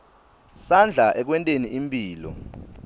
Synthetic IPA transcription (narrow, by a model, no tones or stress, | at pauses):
sand͡ɮʱaʔɛk̬wɛntʼeniʔimpʼiːlɔ̰